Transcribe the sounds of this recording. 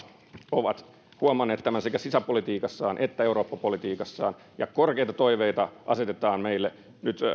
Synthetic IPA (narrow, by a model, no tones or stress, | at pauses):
oʋɑt̪ | huɑmɑnːeːt̪t̪ːæmænsekæsisæpolit̪iːkɑsːɑːnʔet̪ːæeuɾo̞ːpːɑpolit̪iːkɑsːɑ̰ːn | jɑkorkeit̪ɑt̪o̞iʋeit̪ɑʔɑset̪et̪ɑːnmeilːe | nyt̪